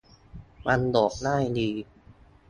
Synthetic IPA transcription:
ma˧ndɔː˨˩k̚naː˥˩jdiː˧

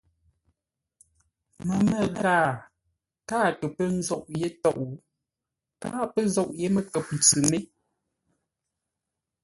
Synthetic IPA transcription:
mə˨mə˦˨ɣaː˦˨ | kaː˦tə˨pə˦n̩˦zɔ˦ʔ̚je˦tɔ˦˨ʔu˨ | ka̰ː˦pə˦zɔ˦ʔje˦mə˦kə˨p̚n̩˨t͡sʉ˨me˦

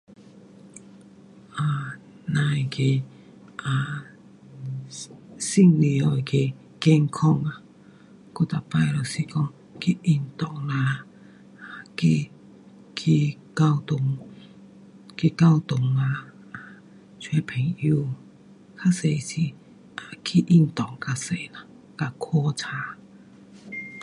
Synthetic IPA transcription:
ʔa˨˩ | nã˧˨ki˧˨ | a˨ | si˥˧˨ŋli˨ɔ˨ki˧ | ke˧˨ŋkʰɔ˧˨ŋa˨ | kɔ˧˦t̪a˨pa˧˨jlɔ˨si˧kɔ˧˨ŋ | ki˧ʔi˧˨nt̪ɔ˧˨ʔla˧˨ | ki˧ | kʰi˧ka˧wt̪ŋ | ki˧ka˥˧wt̪ʊ˨˩ŋla˧ | a˨ | t͡ɕʰwe˧˦pʰe˨˩ŋu˧˦ | kʰa˦˧se˨si˨ | a˨kʰi˧ʔi˧˨nt̪ɔ˨˩ŋka˧se˨na˨ | ka˧kʰɔ˧˦t͡sʰa˧

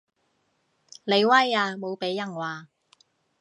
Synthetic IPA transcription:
le˨˧jwɐ˥jaː˧mo˨˧wpe˨˥jːɐ˨˩ŋwaː˨

